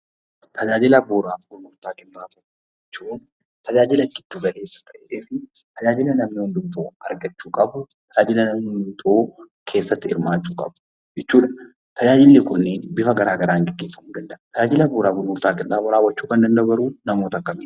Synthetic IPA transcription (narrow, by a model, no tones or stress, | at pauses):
t̪ʰɐd͡ʒaːd͡ʒɪlɐboːɾaːfɡʊlmʊɾt̪aːkʼɪnːaːbɐ | ɛt͡ʃːun | t̪ʰɐd͡ʒaːd͡ʒɪlɐkːɪt̪ːuːɡɐke̞ːsːɐ̥t̪ɐʔʔeːfɪt̪ɐd͡ʒaːd͡ʒɪlɐnɐmnɪhɔnd̪ʊmt̪oːɐ̰ɾɡɐt͡ʃːuːkʼɐbʊt̪ʰɐd͡ʒaːd͡ʒɪlɐnɐmnɪʊnt̪ʰoː | kʰe̞ːsːɐt̪ːɪɪ̰ɾmaːt͡ʃːuːkʼɐ̰bʊ̥ | jɛt͡ʃːuːᶑɐ | t̪ʰɐd͡ʒaːd͡ʒɪlːeːkʊnːeːnbɪfɐɡɐɾaːɡɐɾaːŋɡɛɡːeːsːɐkʊŋɡɐnd̪ɐʔt̪ʰɐd͡ʒaːd͡ʒɪlɐboːɾaːɡʊlmʊɾt̪aːkʼɪnːaːbɐɾaːwːɐt͡ʃːuːkɐnd̪ɐnd̪ɐbɐɾuːnɐmoːt̪ɐkːɐmeː